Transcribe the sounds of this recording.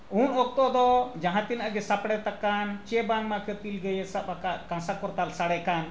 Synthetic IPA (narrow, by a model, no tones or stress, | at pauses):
unɔk̚t̪ɔd̪ɔd͡ʒãɦãt̪inaʔɡɛsapɽɛt̪akant͡ʃɛbaŋmakɛp̪ilɡɛjɛsaakaʔkãsakɔɾt̪alsaɽɛkan